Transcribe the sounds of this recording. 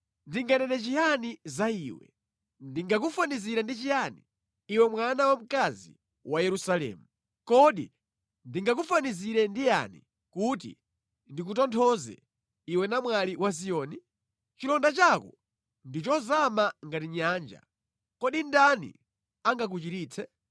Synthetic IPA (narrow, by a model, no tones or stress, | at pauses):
ndiŋɡanɛnɛt͡ʃijanizaiːwɛ̰ | ndiŋɡak̬ufaniziɾandit͡ʃijaniː | wɛmwanawam̩kazḭ | wajɛɾusalɛ̰ːmu | kɔɗi | ndiŋɡak̬ufaniziɾɛndija̰nḭ | kut̬ḭ | ndik̬utɔntʰɔzɛ̰ | iwɛnamwaliwas̬ijɔːni | t͡ʃilɔndat͡ʃakɔ̰ | ndit͡ʃɔzamaŋɡatiɲaːnd͡ʒa̰ | kɔɗindanḭ | aŋɡak̬ut͡ʃitiːt͡sʰɛ